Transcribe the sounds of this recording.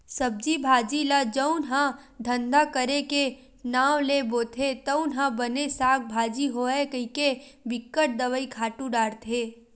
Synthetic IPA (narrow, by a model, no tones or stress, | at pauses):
səb̚d͡ʒibʱaːd͡ʒilad͡ʒəʊnɦãd̪ʱə̃nd̪akəɾeke | naːwleboːt̪ʰet̪əʊnɦãbənesaːk̚bʱaːd͡ʒiɦoɛkəikebɪkːəʈ̚d̪əʋəikʰaːʈũɖaːɽt̪ʰeː